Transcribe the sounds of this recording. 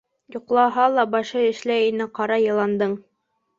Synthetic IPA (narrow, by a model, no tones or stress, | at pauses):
juqlˠɑɦɑlˠɑbɑʃɤɘ̆ʃlæjinɘqɑɾɑjɤ̆lˠɑnd̪ɤɴ